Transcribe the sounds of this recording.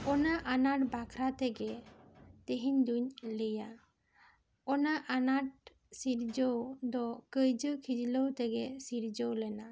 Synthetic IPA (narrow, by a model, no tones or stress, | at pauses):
ɔnaʔanaʈbakʰɾat̪ɛɡɛ | t̪eɦiɲd̪uɲlɛja | ɔnaʔanaʈ̚ | siɾd͡ʒɔwd̪ɔkəjd͡ʒəkʰid͡ʒləwt̪ɛɡɛsiɾd͡ʒɔwlɛna